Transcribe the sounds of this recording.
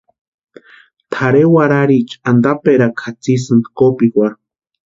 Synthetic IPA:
t̪ʰaɾewaɾaɾit͡ʃand̪apeɾakʰat͡sisɨnd̪kopikʷaɾ

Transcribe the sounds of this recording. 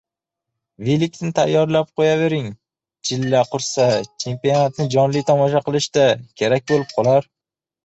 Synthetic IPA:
vilik̚ʲt̪nɪt̪ʰajːɒɾlap̚qʰojave̞ɾɪŋ | t͡ʃʰɪlːaqʰʊɾsat͡ʃʰe̞mpionat̪nɪd͡ʒɒnlijt̪ʰɒmɒʃaqɨlˠɪʃd̪akʲʰe̞ɾak̚ʲbolɪp̚qʰɒlˠaɾ

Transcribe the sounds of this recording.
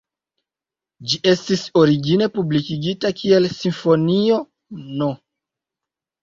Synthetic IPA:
d͡ʒiʔe̞stiso̞ɾiɡine̞publikiɡitakie̞lsiɱfo̞nio̞ | no

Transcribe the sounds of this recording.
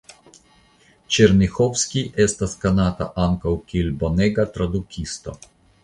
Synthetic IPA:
t͡ʃɛɾnixɔwskiʔɛst̪askanat̪a̰ʔaŋkawkilbɔnɛɡat̪ɾad̪ukʰist̪ɔ̰

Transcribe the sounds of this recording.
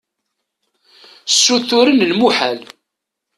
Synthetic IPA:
sːuθʊɾənlmuħæl

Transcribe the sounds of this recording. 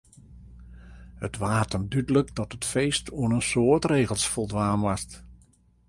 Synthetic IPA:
hətʋaːtəndydələkdɔtətfejstoənənsoːɹtreːɣəlˠsfɔlˠdʋaːnʋast

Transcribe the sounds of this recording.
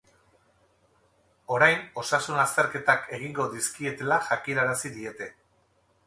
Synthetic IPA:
o̞ɾajno̞sasunast̪e̞ɾke̞t̪akʰe̞ɣ̞iŋɡo̞ðiskie̞t̪e̞laʝakiɾaɾasiðie̞t̪e̞

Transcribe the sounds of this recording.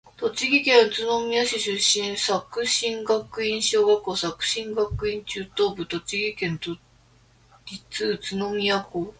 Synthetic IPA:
t̪o̞t͡ɕiɡʲikẽ̞ɰ̃t͡sɨno̞mʲiaɕiɕɨɕːĩɰ̃sakɯ̟ɕĩŋɡakːɯ̟ĩɰ̃ɕoːɡakːoːsakɯ̟̥ɕĩŋɡakːɯ̟ĩɲt͡ɕɨːt̪o̞ːbɯ̟t̪o̞t͡ɕiɡʲikẽ̞nt̪o | ɾʲit͡sɨːt͡sɨno̞mʲijako

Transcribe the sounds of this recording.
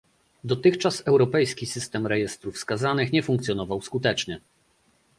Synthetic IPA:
d̪ɔt̪ɘxt͡ʂasɛwɾɔpɛjskʲisɘst̪ɛmɾɛjɛst̪ɾufskazanɘxɲɛfuŋkt̪sʲjɔnɔvawskut̪ɛt͡ʂɲɛ

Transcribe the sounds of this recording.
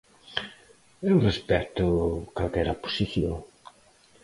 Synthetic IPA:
ɛwrespɛt̪ʊkalkɛɾapo̥siθjo̰ŋ

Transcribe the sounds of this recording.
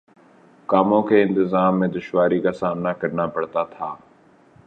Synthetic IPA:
kaːmõkeɪ̃nt̪ɪzaːmːẽd̪ʊʃwaːɾikasaːmnakɐɾnapɐɽt̪at̪ʰaː

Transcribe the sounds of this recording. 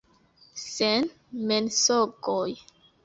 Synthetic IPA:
sɛn | mɛnsɔɡɔj

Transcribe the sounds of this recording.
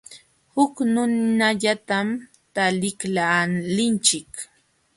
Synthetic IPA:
hʊknʊnaʎat̪am | t̪alɪklalɪnt͡ʃɪk

